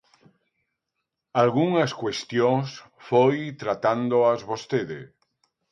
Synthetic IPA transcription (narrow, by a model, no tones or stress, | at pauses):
alɣuŋaskwest̪jõs | fojt̪ɾat̪and̪oazβost̪eðe